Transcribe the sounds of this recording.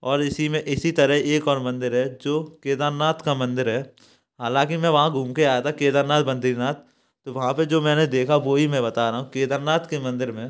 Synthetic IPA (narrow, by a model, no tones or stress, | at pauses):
ɔːɾɪsimẽʔɪsit̪ɐɾəɦeːkɔːɾmɐ̃nd̪ɪɾɦɛd͡ʒoːkeːd̪aɾnaːt̪kamɐ̃nd̪ɪɾɦɛː | ɦaːlãːkimɛ̃ʋɐɦãɡʱũːmkeaːjat̪ʰakeːd̪aːɾnaːt̪bɐ̃nd̪iːɾnaːt̪̚ | t̪ːoʋɐɦãped͡ʒoːmɛ̃ːned̪eːkʰaʋoɦimɛ̃bɐt̪aɾɐɦũkeːd̪əɾnaːt̪kemɐ̃nd̪ɪɾmẽ